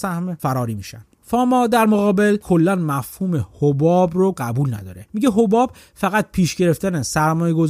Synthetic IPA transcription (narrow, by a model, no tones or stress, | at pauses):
sæhmefæɾɒːɾiːmiːʃæ̰n | fɒːmɒːd̪æɾmoɣɒːbe̞lkʰo̞lːænmæfhuːmehobɒːbroɢæbuːlnæ̰d̪ɒ̰ːɾemiɟeɦobɒːb̚ | fæɣæt̪̚pʰiːʃɟe̞ɾe̞ft̪ænesæɾmɒːjeɡo̞z